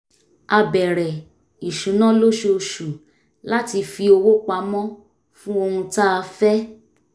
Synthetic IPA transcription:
a˧bɛ˨ɾɛ˨ | i˨ʃũ˨˦nã˦lo˦ʃo˧o˧ʃu˨ | la˦ti˧fi˧o˧wo˦k͡pa˧mɔ̃˦ | fũ˦o˧hũ˧ta˦a˧fɛ˦

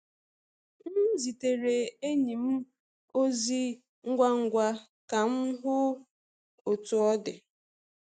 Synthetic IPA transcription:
n̩˦zi˨te˨ɾe˨e˦ɲi˨m̩˦ | o˦zi˦ | ŋ̩˦ɡʷa˦ŋ̩˨ɡʷa˦ | ka˨m̩˦ɦʊ˦ | o˨tʊ˨ɔ˦dɪ˨

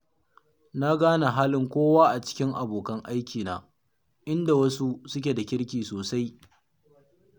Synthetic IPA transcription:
na˦ɡaː˦na˨ɦaː˦lɪ˨ŋkʷoː˦waː˦ʔa˨t͡ʃɪ̥˦kʲɪ˦ŋʔa˨boː˨kɐ˦ŋʔa˦jkʲiː˨na̰ː˨ | ʔɪ˦nda˨wɐ˦su˦sʊ˦kʲe˨da˨kʲɪ˦ɽkʲiː˨soː˨sa˦j

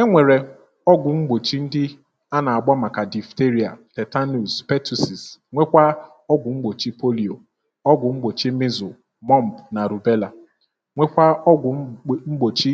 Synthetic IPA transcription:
e˦ŋʷe˨ɾe˨ | ɔ˦ɡʷʊ˨ŋ͡m̩˦ɡ͡bo˨t͡ʃi˦n̩˦dɪ˦ | a˦na˨a˨ɡ͡ba˦ma˨ka˨di˨fte˦ɾi˨a˨tɛ˨ta˦nu˨spe˦tu˨si˨sŋʷe˦kʷa˦ | ɔ˦ɡʷʊ˨ŋ͡m̩˦ɡ͡bo˨t͡ʃi˦po˦li˨o˨ | ɔ˦ɡʷʊ˨ŋ͡m̩˦ɡ͡bo˨t͡ʃi˦mɪ˦zʊ˨ | mɔ˦m̩˨pna˨ɾu˨be˦la˨ | ŋʷe˦kʷa˦ɔ˦ɡʷʊ˨˦ŋ͡m̩˦ɡ͡bo˨t͡ʃi˦

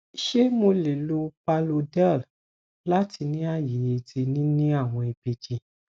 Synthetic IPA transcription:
ʃe˦mo˧le˨lo˧pa˧lo˧dɛ˦˨l | la˦ti˧nĩ˦a˦˨je˨e˨di˧nĩ˦nĩ˦a˦˨w̃ɔ̃˧e˨be˨d͡ʒi˧

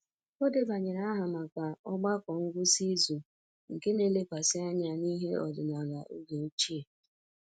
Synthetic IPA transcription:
o˦de˨ba˨ɲe˨na˦ɦa˨ma˨kʷa˨ɔ˦ɡ͡ba˦kʷɔ˨ŋ̩˦ɡʷʊ˦si˦zu˨ | ŋ̩˨ke˦ne˨le˦kʷa˨sɪ˦a˦ɲa˦ni˦ɦe˦ɔ˨dɪ˨na˨ɣa˨ʔu˦ɡe˨o˦t͡ʃi˦e˨

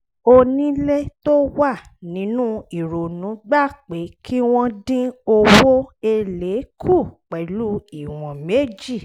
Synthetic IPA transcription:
o˧nĩ˦le˦to˦wa˦˨nĩ˨˦nũ˦i˨ɾo˨nũ˨˦ɡ͡ba˦˨k͡pe˨˦kʰi˦w̃ɔ̃˦dĩ˦o˧wo˦e˧le˨˦kʰu˦˨k͡pɛ˨lu˦i˦˨w̃ɔ̃˨me˨˦d͡ʒi˦˨

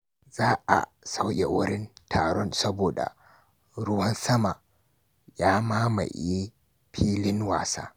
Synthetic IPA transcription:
zaː˦ʔa̰˨sa˦wjʲḛ˨wʊ˦ɽɪ˦ntʰaː˨ɽɔ˦nsɐ˦boː˨da̰˨ | ɾʊ˦wɐ˦nsɐ˦ma˨ | jaː˦maː˦ma̰˨ji˦ | ɸʰiː˦lɪ˦nwa̰ː˨sa̰ː˦

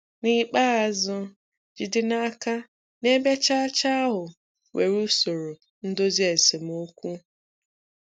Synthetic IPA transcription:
nɪ˦k͡pa˦a˨zʊ˦ | d͡ʒi˨dɪ˦na˦ka˦ | ne˦be˦t͡ʃa˦t͡ʃa˦a˦ɦʊ˨ | we˨ɾu˦so˨ɾo˨ | n̩˦do˦zi˦e˨se˨m̩˦o˦kʷu˦

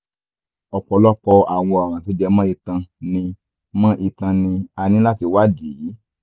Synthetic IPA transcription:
ɔ˨k͡pɔ˧lɔ˦k͡pɔ˧a˨w̃ɔ̃˧ɔ˨ɾ̃ã˨ti˨˦d͡ʒɛ˧mã˦i˧tã˧nĩ˧ | mã˦ʔi˧tã˧nĩ˧a˧nĩ˦la˦ti˧wa˦diː˨˦

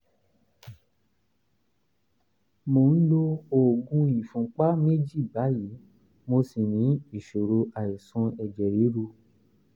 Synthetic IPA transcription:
mo˨n̩˦lo˧o˦˨ɡũ˧i˨fũ˨˦k͡pa˦me˦d͡ʒi˦˨ba˨˦ji˨˦ | mo˧si˨nĩ˨˦i˨ʃo˨ɾo˧ʔa˨i˨sũ˧ɛ˨d͡ʒɛ˨ɾi˨˦ɾu˧

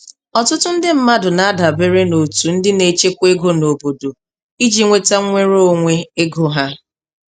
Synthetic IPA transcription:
ɔ˨tʊ˦tʊ˦n̩˦dɪ˦m̩˦ma˦dʊ˨na˨a˦da˨be˦ɾe˦no˨tu˨n̩˦dɪ˦ne˨t͡ʃe˦kʷe˦ɡo˦no˨bo˨do˨ | i˦d͡ʒi˦ŋʷe˦ta˦ŋʷe˦ɾo˦˨ŋʷe˦e˦ɡo˨ɦa˦

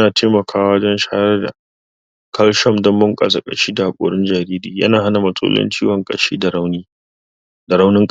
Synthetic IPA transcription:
naː˨tʰeː˦mɐ˨kʰaː˦wa˦d͡ʒɔ˦nʃaː˦jɐ˦rda̰˨ | kʰɐ˦lʃɔ˦˨mdɐ˦mːʊ˦ŋkʼa̰˨za˨kʼɐ̰˨ʃiː˦da˨ha˨kʷʼo̰ː˨ɽɪ˦nd͡ʒaː˨ɾiː˦ɾiː˨jɐ̰˦naː˨ɦa˦na˨mɐ˨sʼo̰˦lʔɔ̰˦nt͡ʃiː˦wɐ˨ŋkʼɐ̰˨ʃḭː˦da˨ɾa˦wniː˦ | da˨ɽa˦wnɪ˦ŋkʼ

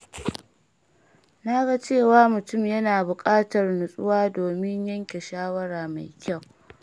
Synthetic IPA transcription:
na˦ɡa˦t͡ʃeː˦˨waː˦mʊ˨tʊ˦˨mjɐ˦naː˨bʊ˨kʼaː˦tɐ˨rnʊ˨sʼʊ̰˦waː˦doː˨mɪ˦ɲjɐ˦ŋkʲe˨ʃaː˦wɐ˦ɽaː˨ma̰˨jkʲa˦˨w

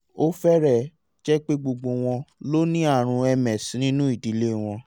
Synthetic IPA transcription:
o˦fɛ˦ɾɛ˦˨ | d͡ʒɛ˦k͡pe˦ɡ͡bo˧ɡ͡bo˧w̃ɔ̃˧lo˦nĩ˦a˦˨ɾ̃ũ˧ɛ˧mɛ̃˨sĩ˨˦nĩ˦nũ˦i˦˨di˨˦le˦˨w̃ɔ̃˧

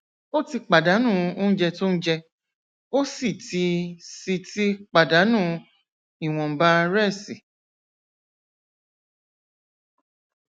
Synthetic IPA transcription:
o˦ti˧k͡pa˨da˨˦nũ˦˨o˦n̩˦d͡ʒɛ˧to˦n̩˦d͡ʒɛ˧ | o˦si˦˨ti˧si˧ti˦k͡pa˨da˨˦nũː˦˧ | i˨w̃ɔ̃˨m̩˨ba˦˧ɾɛ˦˨si˨

